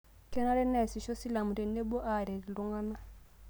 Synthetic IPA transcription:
kɛ˦na˦ɾɛ˦nɛ˦˨si˨ʃɔ˦si˦la˨mu˨ɾɛ˨nɛ˦bɔ˦ʔa˦˨ɾɛ˨ɾi˨lu˦ŋa˦na˦

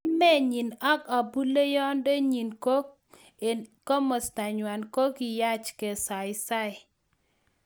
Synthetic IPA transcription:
mɛ˦ɲi˨na˦ka˨bu˦le˦jɔ˦nde˦ɲi˨nko˦ | kɔ˦mɔ˨sta˨ɲwa˨nko˦ki˨ja˦t͡ʃkɛ˨sa˨ɪ˨sa˦ɪ˨

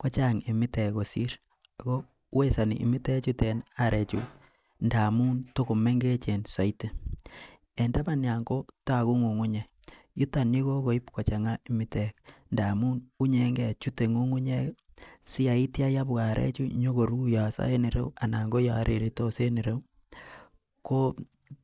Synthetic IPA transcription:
ko˦t͡ʃa˦ŋi˨mi˦te˨ko˨si˦ɾ | a˨ko˦ | we˦sa˨nḭ˨ʔːmi˦te˦t͡ʃu˦te˨naɾe˨t͡ʃṵ | nda˨mu˦nto˦ko˨me˦ŋɡe˦t͡ʃe˨nsa˨i˦te˨ | e˨nda˦ma˦˨nja˨ŋɡo˦ta˦˨ku˦ŋu˨ŋu˦ɲe˨ | ju˦ta˨ni˦ko˦ko˨i˦pko˨t͡ʃa˨ŋa˦i˨mi˦te˦knda˨mu˦nu˦ɲe˨ŋɡɛ˦˨t͡ʃu˦te˨ŋu˦ŋu˦ɲe˦si˦a˨i˦tja˦ja˦bka˨ɾʔḛ˦t͡ʃu˦ɲo˦ko˨ɾu˦ja˨sa̰˦e˦ni˨ɾḛ˦wa˨na˨ŋɡo˦ja˨ɾʔe˨ɾi˨to˦se˦ni˨ɾe˦w | ko˦

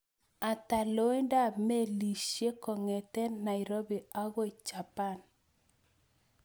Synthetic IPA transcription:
a˨ta˨lo˦i˦nda˦me˦li˨ʃje˦kɔ˨ŋɛ˨tɛ˦na˨i˨ɾo˦bi˨a˦ɣo˦i˨t͡ʃa˨pa˦˨n

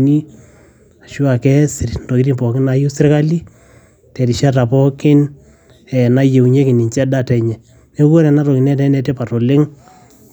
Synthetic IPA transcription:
ni˦ | a˨ʃu˦a˨kɛ˦sɪ˨rndo˨i˦ɾi˦mpɔ˨kɪ˦na˦ju˦sɪ˦rka˦li˦ | tɛ˨ɾi˨ʃa˦ta˨pɔ˦kɪ˦n | ɛ˨na˦je˨u˨ɲe˦kɪ˨ni˨nt͡ʃɛ˦da˦tɛ˨ɲɛ˨ | ne˦ko˦ɾɛ˨na˦ɾɔ˨ki˨nɛ˦tɛ˦nɛ˦te˦pa˨tɔ˨lɪ˦ŋ

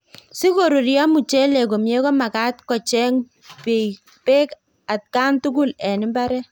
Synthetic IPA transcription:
si˦ko˨ɾu˨ɾjɔ˦mu˨t͡ʃɛ˦lɛ˨ko˨mje˦kɔ˦ma˨ka˦t̚kɔ˨t͡ʃɛ˦ŋ | pe˨j | pe˦k | a˨t̚ka˦ntu˦ɡu˦lɛ˨nɪ˦mba˦ɾɛ˦

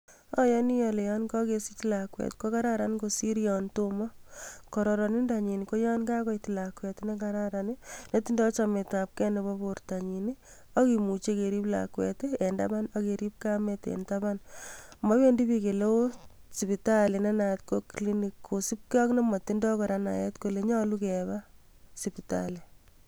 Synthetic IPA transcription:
ɔ˦jɔ˦ni˦jɔle˨jɔnkɔ˦kesi˦t͡ʃlakwɛ̰˨tko˦ka˦ɾa˦ɾankosi˦ɾijɔntomɔ˦kɔɾɔ˨ɾɔni˦nda˨ɲi˨niko˦jɔ˦nka˦kɔ˦jti˨lakwɛ˨tne˦kaɾaɾanineti˦ndɔt͡ʃame˨tap̚kɛ˦nebɔ˦boɾta˨ɲi˨ni | ɔ˦kimu˨t͡ʃeke˨ɾi˦pla̰kwɛ̰tee˨ndaba˦nɔke˨ɾi˦p̚kametḛntaba˦nma˦we˦ndi˦bike˨lo˦ | si˨pitale˨nɛ˦na˨tko˦klinikʰːo˨si˦p̚kɔ˦kne˦mɔ˨ti˦ndɔ˦kɔ˨ɾana̰˨jɛtkole˨ɲɔ˦lukɛba | sipita̰le˨

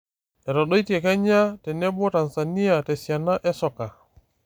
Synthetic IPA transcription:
ɛ˨ɾɔ˨ɗɔ˦jtiɛ˨ka˦ɲa˦tɛ˨nɛ˦bɔ˦ta˨nsa˨ni˦ja˨tɛ˨si˨a˨na˦ʔɛ˦sɔ˨ka˨

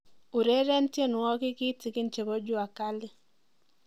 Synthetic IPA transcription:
u˨ɾe˦ɾe˦ntje˦˨nʊ˨ɔ˦kɪ˦kɪ˦tɪ˨kɪ˦nt͡ʃe˨bɔ˦d͡ʒʊ˦a˨ka˦lɪ˦

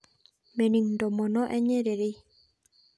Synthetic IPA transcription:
me˨ni˨ŋndɔ˨mɔ˨nɔ˦ʔɛ˦ɲe˦ɾe˨ɾi˦

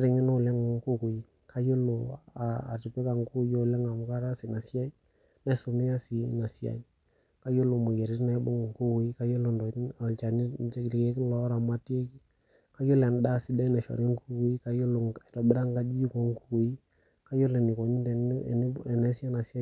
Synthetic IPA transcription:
a˦ɾɪ˨ŋɪ˦no˦˨lɛ˦ŋ˨ku˦ku˨ji˦ | kʰa˦jo˦lo˨a˨a̰˨ti˨pɛ˦ka˨ŋku˦jo˦˨lɛ˦ŋa˨m˨ka˦ɾa˦si˨na˨sja˦i˦ | na˦so˨me˦a˦si˨na˨si˦a̰˨i˦ | ka˦jo˦lo˨mo˨je˨ɾi˦tna˨˦bo˦ŋ˨ŋku˦ku˨ji˦ka˦jo˦lo˨ndɔ˨˦˨lt͡ʃa˨ni˦t͡ʃe˦ɡli˨ke˦kn˦lɔ˨˦ɾa˨ma˦ti˦e˦ki˦ | ka˦jo˦lɛ˨n˦da˦˨si˦da˦nɛ˨ʃɔ̰˨ɾe˦ŋ˦ku˦ku˨˦ji˦ka˦jo˦lo˨ŋɛ˨tɔ˨bɪ˦ɾa˦ŋka˦d͡ʒi˦ko˨ŋ˦ku˦ku˨ji˦ | ka˦jo˦le˨nɪ˨ko˨ɲi˦dɛ̰˨˦˨n˦ɛ˨nɛ˨˦sja˦na˨sja˦

